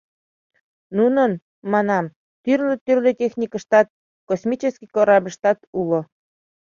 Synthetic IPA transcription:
nunən | mɑnɑm | t̪yrlet̪yrletʲexnʲikəʃt̪ɑt̪̚ | kosmʲit͡ɕeskʲikoɾɑbəʃt̪ɑt̪ulo

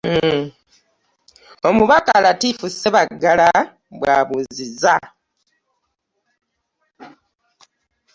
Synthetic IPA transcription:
o̞muβakalatiːfuseβaɡːala | βwaːβuziza

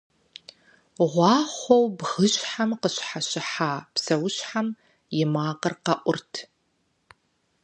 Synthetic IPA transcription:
ʁʷɑːχʷowbʁəɕħamqəɕħaɕɪħaːpsɐwʊɕħam | jɪmaːqərqɐʔʷʊrtʰ

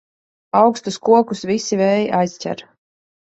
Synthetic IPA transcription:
awkst̪uskuɔkusvisivɛːjʔajscʲɛ̰ɾ

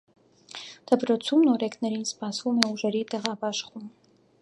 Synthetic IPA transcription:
d̪̥əpɾɔt͡sʰumnɔɾɛkʰnɛɾinspɑsvumɛuʒɛɾit̪ɛʁɑbɑʃχum

